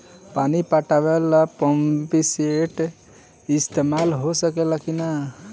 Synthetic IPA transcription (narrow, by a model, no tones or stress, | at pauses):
panipaʈabelapɔmpiseʈ | ist̪emalɦosəkelakina